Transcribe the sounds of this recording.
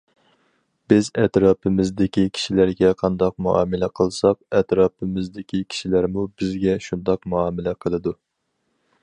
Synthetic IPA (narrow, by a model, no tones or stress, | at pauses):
b̥ɪzɛt̪ɾɑːpʰɨmɪzd̪ɪkʲikʲʰi̥ʃilæɾɡʲɛqʰɑnd̪ɑq̚muʔɑ̰ːmɪlɛqʰəlˠsɑq̚ɛt̪ɾɑːpɨmɪzd̪ɪkʲʰikʲʰi̥ʃilæɾmubɪzɡʲɛʃund̪ɑqmuɑːmɪlɛqʰəlˠɨd̪u